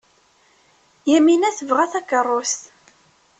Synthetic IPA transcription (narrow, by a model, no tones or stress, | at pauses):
jæminæθəvʁæθækərˤːost̪